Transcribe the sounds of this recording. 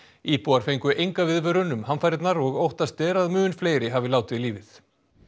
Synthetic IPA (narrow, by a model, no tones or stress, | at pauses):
iːpuːaɾ̥fejŋkʏʔejŋkavɪðvœːɾʏnːʏmɦanfaːjɾɪt̪naɾɔɣowht̪ast̪ɛːɾaðmʏːnfleːjɾɪɦavɪlaːwt̪ɪðliːvɪθ